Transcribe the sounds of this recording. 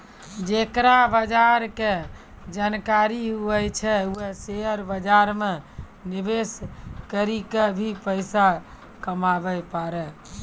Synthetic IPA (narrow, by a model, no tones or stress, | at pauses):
d͡ʒekɾabəd͡ʒaɾke | d͡ʒankaɾiɦuɛjt͡ʃʰɛuɛseɦəɾbəd͡ʒaɾme | nibeskəɾikebʱipəɪsa | kəmabɛpaɾɛ